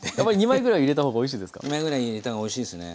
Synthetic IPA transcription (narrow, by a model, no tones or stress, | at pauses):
jamːaɾʲiɲ̟imaiɡɯ̟ɾaiːɾe̞t̪ahoːɡaoiɕ̬iːd̪esɨ̥ka̰ɲimaiɡɯ̟ɾaiɾet̪aoiɕiːd̪esɨnḛ